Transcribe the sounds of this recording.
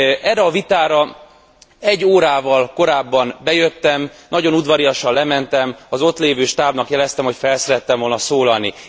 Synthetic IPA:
ʔɛrːɛɒvit̪aːɾɒ | ɛɟːoːɾaːvɒlko̞ɾaːbːɒnbɛjøt̪ːɛmnɒɟo̞nud̪vɒɾijɒʃɒllɛmɛnt̪ɛmɒzo̞t̪leːvøːʃt̪aːbnɒkjɛlɛst̪ɛmho̞cfɛlsɛɾɛt̪ːɛɱvo̞lnɒsoːlɒlni

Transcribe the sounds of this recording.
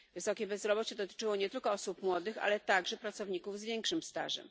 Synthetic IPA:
vɘsɔkʲɛbɛzɾɔbɔt͡ɕɛd̪ɔt̪ɘ̥t͡ʂɘwɔɲɛt̪ɘlkɔɔsupmwɔd̪ɘxa̰lɛt̪aɡʐɛpɾat̪sɔvɲikuvzvʲjɛŋkʂɘmst̪a̰ʐɛ̰m

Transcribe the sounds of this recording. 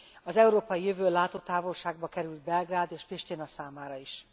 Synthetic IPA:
ɒzɛuɾoːpɒjijøvøːlaːt̪oːt̪aːvo̞lʃaːɡ̚bɒkɛɾyld̪̚bɛlɡraːd̪eːʃfiʃt̪inɒsaːmaːɾɒiʃ

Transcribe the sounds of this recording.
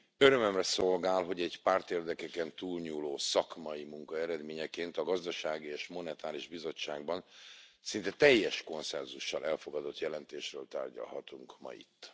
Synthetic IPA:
øɾømømrɛso̞lɡaːlɦo̞ɟɛɟpaːrt̪eːrd̪ɛkɛkɛnt̪uːlɲuːloːsɒkmɒimuŋkɒɛɾɛd̪meːɲɛkeːnt̪ɒɡɒzd̪ɒʃaːɡieːʃmo̞nɛt̪aːɾiʒbizo̞t͡ʃːaːɡ̚bɒnsint̪ɛt̪ɛjːɛʃko̞nsɛnzuʃːɒlɛlfo̞ɡɒd̪o̞t̪jɛlɛnt̪eːʃrøːlt̪a̰ːrɟɒ̰lɦɒ̰t̪uŋkmɒ̰ḭt̪ː

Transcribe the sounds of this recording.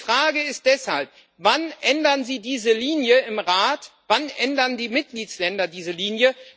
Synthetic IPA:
fʁ̥aːɡəɪst̚d̥ɛshalp̚ | vanʔɛndɐnziːdiːzəliːnjəɪmʁaːtv̥anʔɛndɐndiːmɪt̚ɡ̥liːslɛndɐdiːzəliːnjə

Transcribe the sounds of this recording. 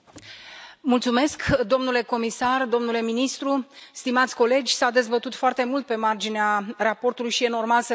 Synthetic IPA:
mult̪sume̞skd̪o̞mnule̞ko̞misard̪o̞mnule̞minist̪ɾust̪imat̪sʲko̞le̞d͡ʒʲsad̪e̞zbət̪ut̪foart̪e̞mult̪̚pe̞mard͡ʒinearapo̞rt̪ulujʃije̞no̞rmalsə

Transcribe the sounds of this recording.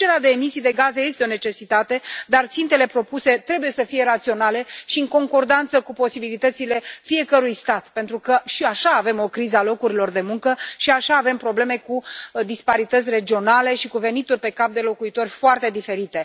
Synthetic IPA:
t͡ʃeɾad̪e̞ːmisijd̪e̞ɡazeje̞st̪eo̞ne̞t͡ʃe̞sit̪at̪e̞d̪art̪sint̪e̞le̞pɾo̞puse̞t̪ɾe̞buje̞səfije̞ɾat̪sio̞nale̞ʃiɨŋko̞ŋko̞rd̪ant̪səkupo̞sibilit̪ət̪sile̞fie̞kəɾujst̪at̪pent̪ɾukəʃiaʃaːve̞mo̞kɾizəalo̞kuɾilo̞rd̪e̞muŋkəʃiaʃaːve̞mpɾo̞ble̞me̞kud̪ispaɾit̪ət̪sʲre̞d͡ʒio̞nale̞ʃikuve̞nit̪urʲpe̞kap̚d̪e̞lo̞kuit̪o̞rʲfoart̪e̞d̪ife̞ɾit̪e̞

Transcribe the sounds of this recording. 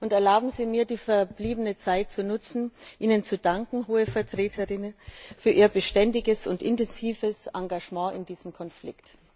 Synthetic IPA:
ʔʊntɛɐlaʊbm̩ziːmiːɐdiːfɛɐbliːbənət͡saɪt̚t͡sunʊt͡sn̩ʔiːnənt͡sudaŋkŋ̩ɦoːəfɛɐtʁ̥eːtʰəʁɪnəfyːɐʔiːɐbəʃtɛndɪɡəsʊntʔɪ̰ntɛnziːvəsʔaŋɡaʒmɑ̃ːʔɪ̰ndiːzəmkʰɔnflɪ̰kt

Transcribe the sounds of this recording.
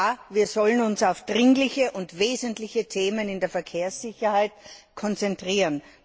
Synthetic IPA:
aviːɐzɔlənʊnsaʊfd̥ʁɪŋlɪçəʔʊntveːzəntlɪçətʰeːmənɪndeːɐfɛɐkʰeːɐsːɪçɐhaɪtkʰɔnt͡sɛntʁiːʁən

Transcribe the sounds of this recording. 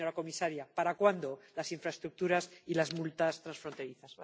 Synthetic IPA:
oɾako̞misaɾjapaɾakwand̪o̞lasiɱfɾae̞st̪ɾuk̚t̪uɾasilazmult̪ast̪ɾansfɾo̞nt̪e̞ɾiθas

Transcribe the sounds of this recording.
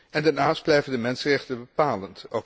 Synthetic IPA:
ɛndaɹnaːsd̚blɛjvəndəmɛnsənrɛχtənbəpaːlənto

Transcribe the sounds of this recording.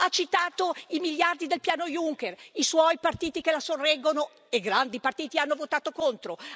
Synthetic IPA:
at͡ʃːit̪aːt̪oimiʎjard̪id̪elpjaːnojuŋkeriswɔjpart̪iːt̪ikelasorːɛɡːono | eɡɾand̪ipart̪iːt̪ianːovot̪aːt̪okont̪ɾo

